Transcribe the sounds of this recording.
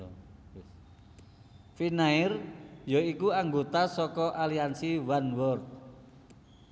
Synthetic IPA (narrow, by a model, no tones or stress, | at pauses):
finaɪrjɔikuaŋɡot̪asɔkɔʔaliansiwanwɔrt̪̚